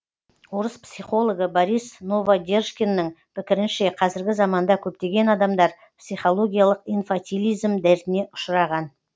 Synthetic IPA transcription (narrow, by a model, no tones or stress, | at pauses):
woɾəspsijχo̞lˠo̞ɡəboɾijsnovaɡʲe̞rʃkʲe̞nːɪŋ | pʰɪkʲɪɾɪnʃeqʰɑzɪɾɡʲɪzɑmɑnd̪ɑkʲʰɵp̚t̪e̞ɡʲe̞nɑd̪ɑmd̪ɑɾ | psijχo̞lˠo̞ɡʲijalˠəqijnfat̪ʲilʲijzmd̪æɾt̪ɪne̞ʔʊ̥ʃɾɑʁɑn